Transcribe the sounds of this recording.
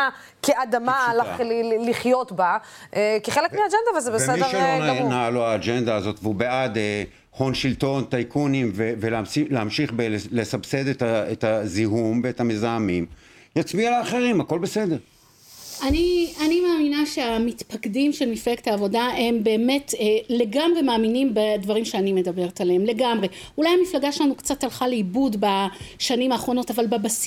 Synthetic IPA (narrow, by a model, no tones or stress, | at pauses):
keadamalaliχjotbaʔekiχelekmiaːd͡ʒend̪avalzebeseeʁʃlnaaluaːd͡ʒend̪aːzo̞t̪veubead̪e | χo̞nʃilt̪o̞nt̪ajkʰunimveveleamʃileamʃiχbele̞sabsed̪etaet̪aziɦumbeetamezaamim | jat͡smialaːχeʁimako̞lbesedeʁ | anianimaːminaʃe̞amitpakdimʃelmiflektaːvo̞dae̞mbe̞ːme̞tːle̞ɡamʁe̞maːminimbedvaʁimʃeanime̞dabe̞ʁetaleemle̞ɡamʁe̞ | ulajamiflaɡaʃlanukt͡satːalχaleibudbaʃanimaːχʁo̞no̞tavalbabas